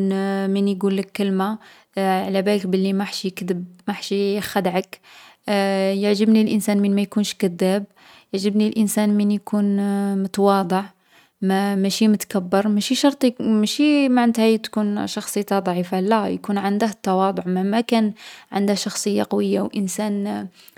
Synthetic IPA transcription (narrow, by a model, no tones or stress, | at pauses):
mənjɡulːəkːəlma | ʕlæbælək̚bəlːimaħʃjəkd̪əb̚maħʃixæd̪ʕək | jəʕʒəbnilʔənsænmənmæjkunʃkəd̪ːæb̚ | jəʕʒəbnilʔənsænmənjkʰunmʊt̪wɑd̪ˤəʕ | mæmæʃimʊt̪kabːəɾˤmæʃiʃɑɾˤt̪ˤimæʃimaʕnət̪hæt̪kunʃɑxsˤijt̪ɑd̪ˤʕifalæjkunʕənd̪əht̪ːɑwɑd̪ˤʊʕmæmækænʕa̰nd̪əhʃɑxsˤəjːaqɑwəjːawʔənsæn